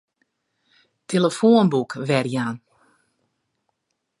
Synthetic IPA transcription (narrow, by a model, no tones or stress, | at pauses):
tʰeləfoənbukʋɛrjaːn